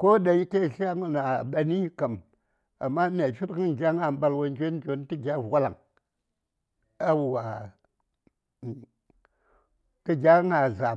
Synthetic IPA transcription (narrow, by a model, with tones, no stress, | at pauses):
ko˦ɗa˨ji˦ke˦˨ʃa˦ŋu˨na˨ɓa˨ni˦ka˨m | a̰˨mːa˦mʲ˦a˨fi˦tkɨ˦n˨ɡʲa˦ŋa˨m˦ba˨lwo˦n˦d͡ʒʲo˦ko˨˦n˦ti˦ɡʲa˦˨a˦la˨ŋ | a˦wu˨wa˨ | kɨ˦ɡʲa˦ŋa˨za˨